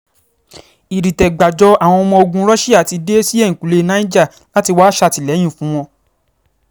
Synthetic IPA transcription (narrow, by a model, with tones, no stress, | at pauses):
i˨ɾi˨tɛ˨ɡ͡ba˨d͡ʒɔ˧a˨w̃ɔ̃˧ɔ˧mɔ̃˧o˧ɡũ˧˦ɾɔ˦ʃi˦a˦˨ti˧de˦si˦ɛ̃˦˨ĩ˨ku˨le˧˦nã˦i˦d͡ʒa˦˨ | la˦ti˧waː˦ʃa˧˨ti˨lɛ˨˦j̃ĩ˦˨fũ˨˦w̃ɔ̃˧